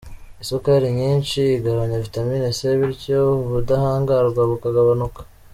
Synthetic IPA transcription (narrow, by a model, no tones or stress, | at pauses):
isokaɾiɲiːnt͡ʃiːɡaβaɲavitamiːneseβiɾcoβudahaːŋɡaɾɡwaβukaɡaβanukḁ